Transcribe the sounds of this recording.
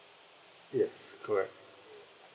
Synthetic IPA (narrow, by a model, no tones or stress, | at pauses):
jɛskʰə˞ɛk̚t̚